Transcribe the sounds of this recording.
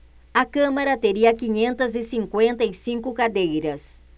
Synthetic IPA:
ɐkɐ̃mɐɾɐt̪eɾiɐkiɲẽnt̪ɐzɪsĩŋkwẽnt̪ɐɪsĩŋkʊkad̪ejɾɐs

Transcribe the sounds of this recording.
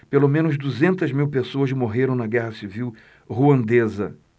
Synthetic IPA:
pelomẽnʊzd̪uzẽnt̪ɐzmiwpesoɐzmoɦeɾɐ̃w̃nɐɡɛɦɐsiviw | huɐ̃nd̪ezɐ

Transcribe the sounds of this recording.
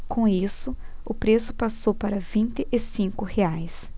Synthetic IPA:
kʰõisʊʊpɾesʊ̥pasowpaɾɐvĩnt̪ɪʔɪsĩŋkʊheajs

